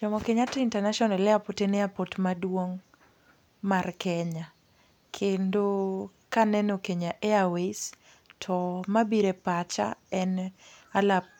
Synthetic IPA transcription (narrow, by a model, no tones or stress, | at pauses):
d͡ʒɔmɔkeɲatɪintɛnaʃɔnalɛapotenɪapotmadwoŋ | markʰɛɲa | kʰendo | kanɛnokeɲaʔeawes | tʰɔmabiɾepat͡ʃa̰ɛnalap̚